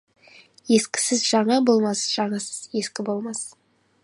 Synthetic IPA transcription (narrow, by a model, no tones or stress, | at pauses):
je̞skʲɪ̥sɪzʒɑɴɑbo̞lˠmɑsʒ̥ɑɴɑsə̥z̥je̞skʲɪbo̞lˠmɑs